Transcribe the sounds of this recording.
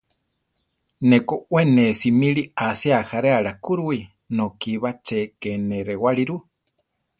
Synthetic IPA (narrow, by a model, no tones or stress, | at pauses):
nekowenesimiɺiasiahaɾeaɺakuɾui | nokiβat͡ʃekeneɾewaɺiɾu